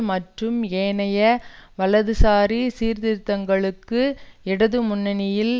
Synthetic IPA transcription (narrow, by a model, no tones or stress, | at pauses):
mɐʈrɯmeːnɐjɐʋɐlɐðɯsaːɾisiːɾðɪɾt̪ːɐŋɡɐɭɯkːɯɪɽɐðɯmʊnːɐnɪjɪl